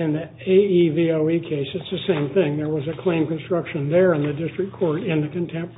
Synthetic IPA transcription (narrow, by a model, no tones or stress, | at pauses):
ɨ̃nði | eɪivioʊikʰeɪsɨtsðɨsẽɪ̃mθɪ̃ŋðə˞wʌzɨkʰl̥ẽɪ̃mkɨ̃nstɹ̥ʌkʃɨ̃nðə˞ɨ̃nðɨdɪstɹ̥ɨk̚kʰɔɹɾɪ̃nðɨkɨ̃ntʰɛ̃mp